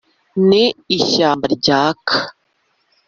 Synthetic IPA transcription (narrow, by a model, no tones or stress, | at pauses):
niːʃaːmbaɾɟaːkʰḁ